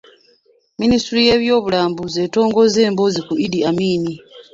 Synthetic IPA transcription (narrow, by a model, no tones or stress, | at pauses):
ministuɾije̞βjo̞ːβulaːmbuzeːto̞ːŋɡo̞ze̞ːmbo̞zikuidiamiːni